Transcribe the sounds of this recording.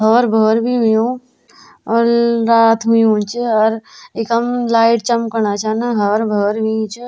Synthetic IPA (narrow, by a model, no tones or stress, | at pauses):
ɦɔːɾbʱoːɾbʱiɦijõː | ɔːɾɾaːt̪ʰɦʊiõːt͡ʃɔɾeːkəmlaːɪʈt͡ʃəmkəɾnat͡ʃanaɦɔːɾbʱoːɾbʱit͡ʃ